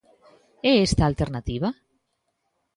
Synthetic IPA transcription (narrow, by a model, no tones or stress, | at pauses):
eest̪aːlt̪eɾnat̪iβ̞a